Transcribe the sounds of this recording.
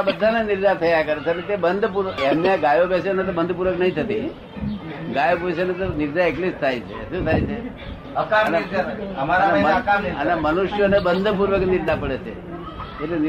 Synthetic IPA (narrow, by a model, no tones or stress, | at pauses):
abəd̪ʱːanenɪɾd͡ʒat̪ʰəjakəɾet͡ʃʰeənet̪ebənd̪ʱpuɾʋəkemneaɡajopɛsenet̪obənd̪ʱp̬uɾʋəknəɦĩt̪ʰət̪i | ɡajopɛsenet̪onɪɾd͡ʒaeklid͡ʒt̪ʰajt͡ʃʰḛʃũt̪ʰajt͡ʃʰe | kəneəmaɾnemənemənʊʃjonebənd̪ʱpuɾʋəknɪɾd͡ʒapəɽet͡ʃʰḛ | et̪en